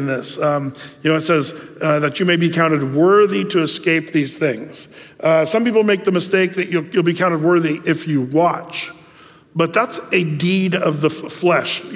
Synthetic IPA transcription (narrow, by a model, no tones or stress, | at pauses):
nðɪsjɨnoʊɨtsɛzðɨt͡ʃɨmeɪbikʰãʊ̃ñtɨd̚wɜ˞ðiɾɨːskeɪp̚ðiz̥θɪ̃ŋz̥sʌ̃mpipl̩ˠmeɪk̚ðɨmɨsteɪk̚ðɨt͡ʃɨjɨl̩ˠbikʰãʊ̃ɨd̚wɜ˞ðiʔɪfjɨwɑt͡ʃ | b̥ʌt̪̚ðætsɨdiɾʌvðəflɛʃ